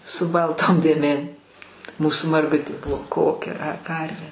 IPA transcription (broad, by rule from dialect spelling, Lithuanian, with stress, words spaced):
sʊ ˈbɐlˠˌtoːm dʲeːˈmʲeːm ˈmuːsʊ mɐrˈɡʊtʲeː ˈbʊʋoː ˈkoːkʲɛ ɐ ˈkɐrʲʋʲeː